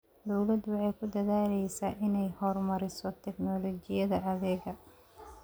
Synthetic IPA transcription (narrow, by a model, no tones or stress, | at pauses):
d̪ɔwlɐd̪wɑħɑjkʰʊd̪ɐðaːlɛjsaːʔɪnɛjhɔrmɐɾɪsɔt̪ʰɛknɔlɔt͡ʃɪjɐðɐʔɐðɛːɡɐ